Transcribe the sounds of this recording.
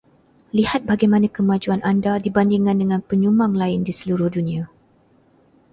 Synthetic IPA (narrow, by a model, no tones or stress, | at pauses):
lihat̪̚baɡajmãnãkəmãd͡ʒuanʔandadibandiŋãndəŋãnpəɲumaŋlaɪndisəluɾʊhdunĩã